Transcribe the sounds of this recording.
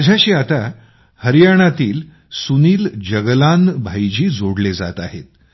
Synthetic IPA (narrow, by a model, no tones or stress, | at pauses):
d͡ʑʱaɕiːat̪a | həɾjaɽ̃at̪iːl | suniːld͡ʑəɡlanbʱajd͡ʑiːd͡zoɽled͡za̰t̪aɦet̪̚